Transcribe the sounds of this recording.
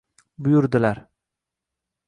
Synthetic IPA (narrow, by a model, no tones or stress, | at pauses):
bʊjʊɾd̪ɪlaɾ